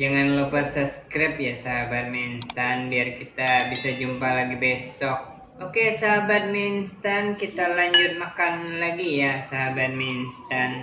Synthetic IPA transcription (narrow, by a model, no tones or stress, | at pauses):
d͡ʒaŋanlopərsaskɾɪp̚jasaɦabat̪̚minst̪anbiarkit̪abisad͡ʒumpalaɡibesɔk̚ | okesaɦabat̪̚minst̪ankit̪alaɲd͡ʒʊt̪̚makanlaɡijasaɦabat̪̚minst̪an